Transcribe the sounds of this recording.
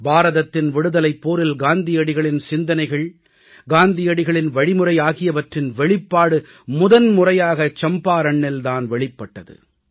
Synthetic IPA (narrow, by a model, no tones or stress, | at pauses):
baːɾɐðɐt̪ːɪnʋɪɽɯðɐlɐɪpːoːɾɪlɡaːnd̪ɪjɐɽɪɣɐɭɪnsɪnd̪ɐnɐɪɣɐɭ | ɡaːnd̪ɪjɐɽɪɣɐɭɪnʋɐɻɪmɯrɐɪjaːɣɪjɐʋɐʈrɪnʋɛɭɪpːaːɽɯ | mʊðɐnmʊrɐjaːɣɐt͡ʃɐmbaːɾɐɳːɪlt̪aːnʋɛɭɪpːɐʈːɐðɯ̰